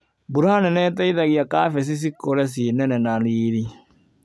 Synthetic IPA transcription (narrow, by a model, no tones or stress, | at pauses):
buɾanɛnɛtɛiðaɣiakafɛs̬is̬ikoɾɛs̬inɛnɛnaliːɾi